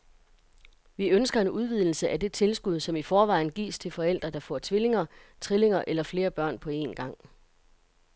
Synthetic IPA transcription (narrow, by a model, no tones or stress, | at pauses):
ʋiønsɡ̥ɐe̝nuð̞ˠʋið̞ˠl̩səʔæd̥e̝t͡sʰe̝lsɡ̥uð̞ˠsɒ̽mifɒːʋɑ̈ɪ̰n̩ɡ̥ḭːst͡sʰe̝lfɒ̽el̰d̥ʁɐd̥ɑ̈fɒ̰t͡sʰʋile̝ŋɐt͡sʰʁile̝ŋɐʔelɐfle̝ːɐb̥ɶɐ̰npʰɒ̽e̝̰nɡ̥ɑ̈ŋ̰